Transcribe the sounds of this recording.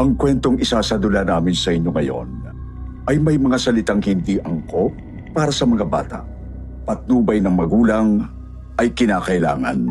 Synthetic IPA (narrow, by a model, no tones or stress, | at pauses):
ʔɐŋkwɛnt̪o̞ŋɪsaːsɐd̪ʊlanaːmɪnsɐʔɪɲjo̞ŋɐjo̞̰n | ʔɐjmɐjmɐŋasɐlɪt̪aŋhɪnd̪iʔɐŋko̞ | paːɾɐsɐmɐŋaba̰ːt̪a̰ʔ | pɐt̪̚nuːbɐjnɐŋmɐɡuːlɐŋ | ʔɐjkɪnaːkɐʔɪla̰ːŋɐ̰n